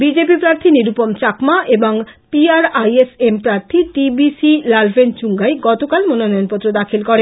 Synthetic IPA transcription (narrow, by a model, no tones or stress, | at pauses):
bid͡ʑepipɾaɾt̪ʰiniɾupomt͡ɕakmaʔeboŋpiaɾajesempɾaɾt̪ʰiʈibisilalbent͡ɕuŋɡajɡɔt̪okalmononɔjonpot̪ːɾod̪akʰilkɔɾe